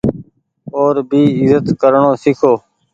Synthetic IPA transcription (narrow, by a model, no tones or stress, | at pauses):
oːɾbiːɪzət̪kəɾɳõːsɪkʰoː